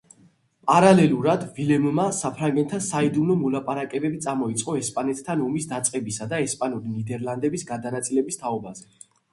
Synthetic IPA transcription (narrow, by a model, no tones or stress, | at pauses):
pʼaɾalɛluɾad̪vilɛmumasapʰɾaŋɡɛnt̪ʰasaid̪umnɔmɔlapʼaɾakʼɛbɛbit̪sʼamɔit̪sʼqʼɔɛspʼanɛt̪ʰːanɔmisd̪at̪sʼqʼɛbisad̪aɛspʼanuɾinid̪ɛɾland̪ɛbisɡad̪anat̪sʼilɛbist̪ʰaɔbazɛ